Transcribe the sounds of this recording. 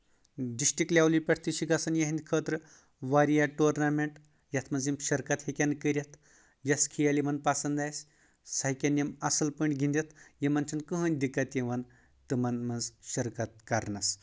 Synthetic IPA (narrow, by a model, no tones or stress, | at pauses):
ɖisʈiklʲjawlipʲeʈʰt̪iɕiɡasɐnjaɦinʲkʰət̪ɾə | ʋaɾjaʈuɾnameɳʈ | jat̪ʰmɐnzimɕɐɾkat̪hekʲankəɾʲjat̪ʰ | jaskʰijalimɐnpasɐnd̪ajs | saɦikʲanjemasɐlpəɳʲɡʱĩnd̪ʲet̪jemɐnt͡ʃʰɐnkəɦənʲd̪ikːat̪jeʋɐn | t̪ɨmɐnmɐnzɕɐɾkat̪̚kaɾnas